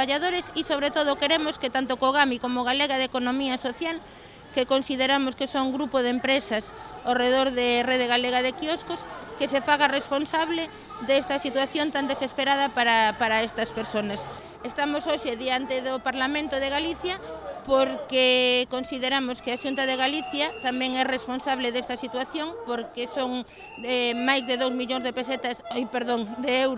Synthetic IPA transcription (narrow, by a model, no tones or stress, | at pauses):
aʎaðoɾesisoβ̞ɾet̪oð̞okeɾemosket̪ant̪okoɣ̞amikomoɣ̞aleɣaðekonomiɐsoθjal | kekonsiðeɾamoskesoŋɡɾupoðempɾesɐsawreðoɾðereðeɣaleɣaðekioskoskesefaɣaresponsaβle | d̪est̪ɐsit̪waθjont̪and̪esespeɾaðɐpaɾapaɾɐest̪ɐspeɾsonɐs | est̪amʊsoʃeðiant̪eðʊpaɾlamẽnt̪ʊðeɣaliθjɐpoɾkekonsiðeɾamʊskeaʃunt̪ɐðeɣaliθjɐt̪amɛ̃ŋɛresponsaβleðest̪ɐsit̪waθjoŋpoɾkesoŋ | ɛmajzðeðowzmiʎoŋzðepeset̪ɐsojpeɾðoŋd̪eewɾ